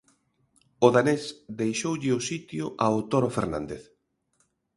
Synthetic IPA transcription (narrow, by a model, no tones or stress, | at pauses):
ʊðanesd̪ejʃowʎɪʊsit̪jʊʔaot̪oɾofeɾna̰nd̪eθ